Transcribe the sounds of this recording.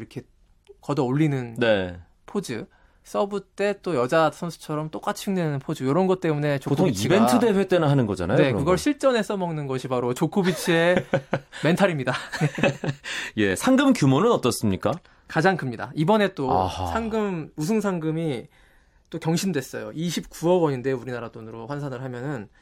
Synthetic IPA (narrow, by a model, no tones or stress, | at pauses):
iɾʌkʰe̞ | kʌdʌoʎːinɯnne̞ | pʰod͡ʑɯ̰ | s͈ʌbut͈e̞t͈ojʌd͡ʑasʰʌnsʰu̥t͡ɕʰʌɾʌmt͈ok͈at͡ɕʰiɯŋnenɯnpʰod͡ʑɯjoɾʌnɡʌt̚t͈e̞mune̞t͡ɕoktʰkʰit͡ɕibentʰɯde̞ɸɥjet͈enanɦanɯnɡʌd͡ʑa̰na̰jnekɯɡʌɭɕʰiɭt͡ɕ͈ʌne̞sʰʌmʌŋnɯnɡʌɕʰibaɾot͡ɕokʰobit͡ɕʰie̞ | me̞ntʰaɾimɲidane | je̞̰sʰaŋɡɯmkjumonɯnʌt͈ʌs͈ɯmɲik͈a | kad͡ʑaŋkɯmɲida̰ibʌne̞t͈osʰaŋɡɯmusʰɯŋsʰaŋɡɯmi | t͈okjʌŋɕʰindwe̞s͈ʌ̰jo̰iɕʰip̚k͈uʌɡʌɲinde̞uɾinaɾat͈onɯɾoɸwansʰanɯɭɦamjʌnɯn